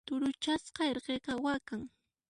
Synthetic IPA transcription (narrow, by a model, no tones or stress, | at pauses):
t̪ʊɾʊt͡ʃasqɑeɾɢeqɑwakaŋ